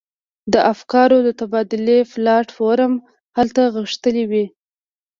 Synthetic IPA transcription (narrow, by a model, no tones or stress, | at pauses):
d̪əʔafkɑɾod̪ət̪abɑd̪ɪleflɑʈfoɾam | halt̪aɣəʃt̪əliwi